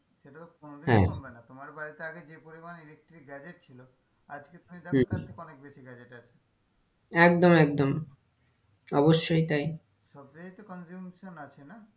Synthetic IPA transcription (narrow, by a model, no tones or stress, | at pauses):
ʃeʈat̪okonobɦɛ̰benat̪omaɾbaɾit̪eaɡed͡ʑepoɾimaniɾek̚ʈɾiɡɛd͡ʑeʈ̚t͡ɕʰilo | a̰d͡ʑket̪umid̪akɔnek̚beʃiɡɛd͡ʑeʈaʃʰe | ɛk̚d̪omɛk̚d̪om | ɔboʃːojt̪aj | ʃɔb̚d͡ʑejt̪okɔnzumʃonat͡ɕʰena